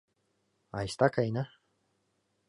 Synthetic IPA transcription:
ajst̪akajna

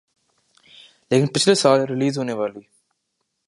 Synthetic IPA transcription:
leːkɪnpɪt͡ʃʰlesaːleɾɪliːzɦoːneʋaːliː

